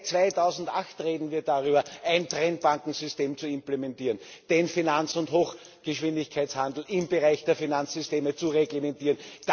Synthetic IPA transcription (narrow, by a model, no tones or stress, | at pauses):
t͡svaɪtʰɑʊzn̩tʔaxtʁeːdn̩viːɐdaʁyːbɐæɪntʁɛnt̚b̥aŋkŋ̩zʏsteːmt͡suɪmplemɛntiːʁənd̥enfinant͡sʊnthoːx | ɡ̥əʃv̥ɪndɪçkʰæɪt͡shandl̩ɪmbəʁaɪçd̥eːɐfinant͡sz̥ʏsteːmət͡suʁeɡlemɛntiːʁənd̥a